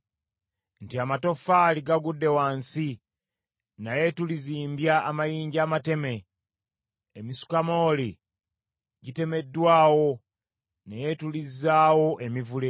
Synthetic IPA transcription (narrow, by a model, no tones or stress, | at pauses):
ntiamato̞faliɡaɡudːe̞waːnsi | naje̞tuliziːmbjaːmajiːɲɟaːmate̞me̞ | misu̥kamo̞ːli | ɟite̞me̞dːwaːwo̞ | nejetulizːaːwo̞ʔemivule